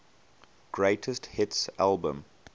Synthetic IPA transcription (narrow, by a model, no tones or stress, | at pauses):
ɡ̥ɹeɪtʰəsthɪtsalˠbə̃m